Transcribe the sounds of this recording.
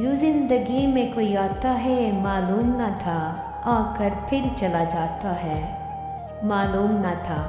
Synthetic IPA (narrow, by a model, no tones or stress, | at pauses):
juzɪ̃nd̪əɡimẽkoːiaːt̪aɦɛmaːluːmnat̪ʰa | aːkəɾpʰɪɾt͡ʃɐlad͡ʒaːt̪aɦɛː | maːluːmnat̪ʰaː